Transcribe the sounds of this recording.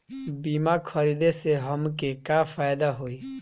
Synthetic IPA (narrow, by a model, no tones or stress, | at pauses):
biːmakʰəɾiːd̪eseɦəmkekafʰaːjd̪aɦoːi